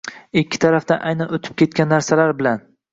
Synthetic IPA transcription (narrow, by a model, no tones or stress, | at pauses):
ɪkʲːɪ̥t̪ʰaɾafd̪anʔajnanot̪ʰɪ̥p̚kʲʰe̞t̪̚kʲanːaɾsalaɾbɪlan